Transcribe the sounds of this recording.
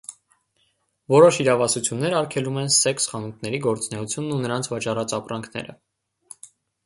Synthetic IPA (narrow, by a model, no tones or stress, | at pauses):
vɔɾɔʃiɾɑvɑsut͡sʰjunːɛɾɑɾkʰɛlumɛnsɛksχɑnut̪̚ʰnɛɾiɡɔɾt͡snɛut͡sʰjunːunəɾɑnt͡sʰvɑt͡ʃɑrɑt͡sɑpɾɑŋkʰnɛ̰ɾə̰